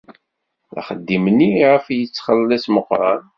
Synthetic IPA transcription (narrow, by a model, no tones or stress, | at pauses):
æ̰χəd̪ːimniiʁəfjət͡sːχəlːəlæsməqɾˤɑ̰n